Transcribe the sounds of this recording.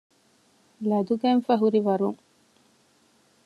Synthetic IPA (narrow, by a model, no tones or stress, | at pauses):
lɐd̪uɡænfɐɦuɾiʋɐɾuŋ